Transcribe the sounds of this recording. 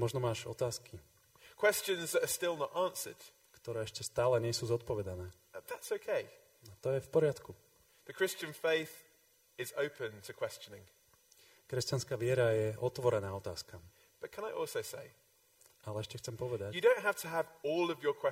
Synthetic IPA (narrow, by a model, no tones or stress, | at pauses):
mɔʒnɔmaːʒɔt̪aːski | kʰw̥ɛst͡ʃə̃nzðəɾəstɪlˠnətɑ̃ˑnsə̰d̥ | kt̪ɔɾɛːɛʃcɛst̪aːlɛɲɛsuːzɔt̪pɔʋɛd̪anɛː | ðatsəʊkʰeɪ | at̪ɔjɛfpɔɾɪat̪ku | ðəkʰɹ̥ɪst͡ʃə̃nfeɪθ | ɪzəʊpʰə̃ntʰəkʰw̥ɛst͡ʃənɪ̰̃ŋ | kɾɛscanskaːʋɪɛɾajɛʔɔt̪ʋɔɾɛnaːɔt̪aːskam | b̥ʌt̚kʰə̃ñaɪʔɔˑlˠsəʊseɪ | alɛɛʃcɛxt͡sɛmpɔʋɛd̪ajɨdə̃ʊ̃nʔɦaftʰəːvɔːlˠəvjəkʰw̥ɛ